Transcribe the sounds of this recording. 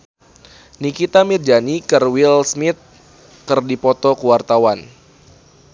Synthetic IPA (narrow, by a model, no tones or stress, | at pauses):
nikit̪amird͡ʒanikərwilsmɪt̪̚ | kɨrdipɔt̪ɔkuwart̪awan